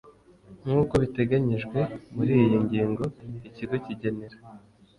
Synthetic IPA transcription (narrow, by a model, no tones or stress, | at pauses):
muːko̞βite̞ɡaɲiʒɡwe̞muɾiːjijiɲɟiːŋɡo̞iciɡo̞ciɟe̞neɾa